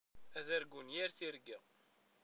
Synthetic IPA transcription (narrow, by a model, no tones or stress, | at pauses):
æðæɾɡunjæɾθiɾɡæ